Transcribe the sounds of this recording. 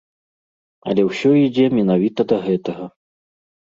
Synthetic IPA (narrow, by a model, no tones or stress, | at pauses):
ɐ̰lʲɛwsʲɔid͡zʲɛmʲɛnavʲit̪ɐd̪ɐɣɛt̪ɐɣɐ